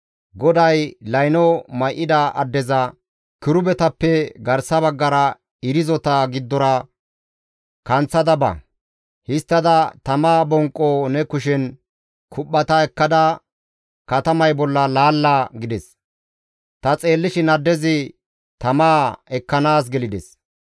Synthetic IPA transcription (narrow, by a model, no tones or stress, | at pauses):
ɡɔd̪ɐjlɐjnɔmɐjʔːɪd̪ɐʔɐd̪ːɛzɐ | kɪɾʊbɛt̪ɐpːɛɡɐɾsɐβɐɡːɐɾɐ | ɪɾɪzɔt̪ɐɡɪd̪ːɔɾɐ | kɐnt͡sːɐd̪ɐbɐ̰ | hɪst̪ːɐd̪ɐt̪ɐmaːbɔŋkʼːonɛkʊʃɛn | kʰʊpːɐt̪ɐɛkːɐd̪ɐ | kɐt̪ɐmɐjbɔlːɐlaːlːaːɡɪd̪ɛs | t̪ɐt͡sʼe̞ːlːɪʃɪnɐd̪ːɛzɪ | t̪ɐmaːɛkːɐnaːs̬ɡɛlɪd̪ɛs